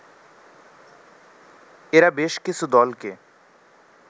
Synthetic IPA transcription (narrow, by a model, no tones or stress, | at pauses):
eːɾabeːʃkɪsud̪ɔːlke